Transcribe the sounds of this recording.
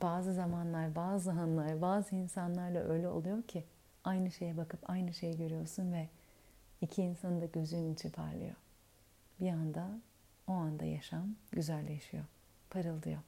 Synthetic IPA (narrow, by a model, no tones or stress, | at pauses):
b̥aːzɯzamanlˠaɾbaːzɯɦanlˠaɾbaːzɯinsanlˠaɾlˠa̰ʔø̞̰jlʲɛo̞̰lˠujo̞ɾcʰi | ajnɯʃe̞jɛbakɯpʰajnɯʃe̞jiɟø̞ɾyjo̞ɾsunvɛ | icʰiːnsanɯd̪aɟø̞zynint͡ʃʰinpʰa̰ɾlˠɯ̰jo̰ | biand̪a | o̞and̪a̰jaʃamɟyzælʲlʲe̞ʃijo | pʰaɾɯlˠd̪ɯjo̞